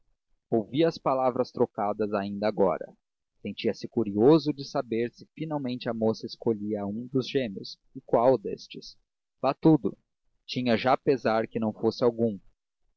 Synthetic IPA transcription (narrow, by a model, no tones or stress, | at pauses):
owviɐspalavɾɐst̪ɾokad̪ɐzaĩnd̪ɐːɡɔ̰ɾɐ̰ | sẽnt͡ʃiɐsɪkuɾiozʊd͡ʒɪsabeɾsɪfinawmẽnt͡ʃɪɐmosɐɪskoʎiɐũd̪ʊzʒẽmiʊs | ɪkwawd̪ḛst͡ʃɪs | v̥at̪ud̪ʊ | t͡ʃĩɲɐʒapezaɾkɪnɐ̃w̃fosɪawɡũ